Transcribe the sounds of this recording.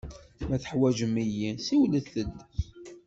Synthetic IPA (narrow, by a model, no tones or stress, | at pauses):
mæθə̥ħwæʒəmijisiwləθəd̪ː